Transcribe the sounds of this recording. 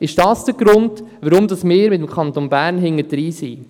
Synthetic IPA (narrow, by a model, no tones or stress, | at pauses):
ɪʃd̥ɑːsd̥əɡ̥ɾʊndʋəɾʊmdɑsmɪːɾmɪt̪əmkʰɑnt̪onbæːɾnɦɪŋːədɾiːsi